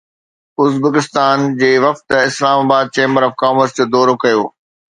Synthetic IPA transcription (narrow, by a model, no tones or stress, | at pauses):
ʊzbəkɪst̪aːnd͡ʑeːʋɐft̪ɪslaːmaːbaːd̪̚t͡ɕẽːmbəɾɔːfkaːməɾsd͡ʑoːd̪ɔːɾokɐjoː